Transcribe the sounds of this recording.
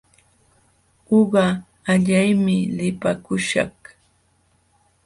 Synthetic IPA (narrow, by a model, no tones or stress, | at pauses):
oɢɑ | aʎajmɪlɪpakʊʃɑ̰χ